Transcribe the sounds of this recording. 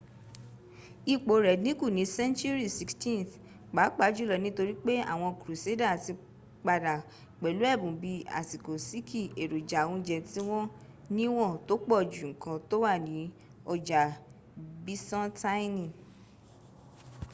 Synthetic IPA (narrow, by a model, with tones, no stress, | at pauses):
i˧k͡po˨ɾɛ˨dnĩ˨˦ku˦˨nĩ˨˦sɛ̃˦nt͡ʃu˦ɾi˦˨si˧kstĩ˦nθ | ɡ͡ba˨˦k͡pa˨˦d͡ʒu˦lɔ˧nĩ˦to˧ɾi˦k͡pe˦a̰˦˨w̃ɔ̃˧kɾu˨se˦da˦˨ti˧ | k͡pa˧da˨ | k͡pɛ˨lu˨˦ɛ˦˨bũ˨˦bi˧a̰˨ti˨ko˨si˦kʰi˦˨e˨ɾo˨d͡ʒa˨wũ˧˦d͡ʒɛ˧ti˦w̃ɔ̃˦ | nĩ˦w̃ɔ̃˦˨to˦k͡pɔ˦˨d͡ʒu˨ŋ̩˨kã˧to˦wa˦˨nĩ˨˦ | ɔ˧d͡ʒa˨ | bi˦sɔ̃˦ta˦nĩ˦˨